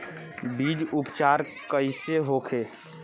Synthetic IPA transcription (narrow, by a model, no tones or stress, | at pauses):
bid͡ʒupt͡ʃaːɾkəɪseɦoːkʰeː